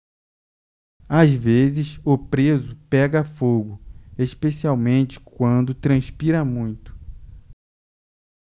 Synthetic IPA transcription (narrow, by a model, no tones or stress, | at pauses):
azvezɪsʊpɾezʊpɛɡɐfoɡʊeʃpesiawmẽnt͡ʃɪ̥kwɐ̃nd̪ʊt̪ɾɐ̃spiɾɐmũj̃t̪ʊ̥